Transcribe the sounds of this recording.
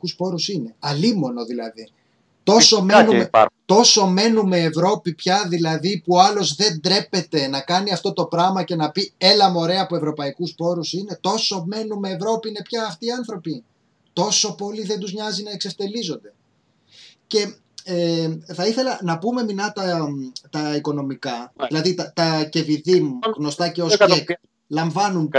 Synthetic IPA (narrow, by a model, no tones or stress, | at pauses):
kuspo̞ɾusine̞ɐlimo̞no̞ðilɐði | t̪o̞so̞menumet̪o̞so̞me̞nume̞ːvɾo̞pipçɐðilɐðipuoɐlo̞zðe̞nd̪ɾe̞pe̞t̪e̞nɐkɐniɐft̪o̞t̪o̞pɾɐɣmɐce̞nɐpie̞lɐmo̞ɾe̞ɐpue̞vɾo̞pɐikuspo̞ɾusine̞t̪o̞so̞me̞nume̞ːvɾo̞piine̞pçɐːft̪iːɐnθɾo̞pi | t̪o̞so̞po̞liðe̞nd̪uzɲɐzinɐekse̞ft̪e̞lizo̞nd̪e̞ | ce̞ | eθɐiθe̞lɐnɐpume̞minɐt̪ɐt̪ɐiko̞no̞mikɐðilɐðit̪ɐt̪ɐce̞viðimuɣno̞st̪ɐceosek | lɐɱvɐnun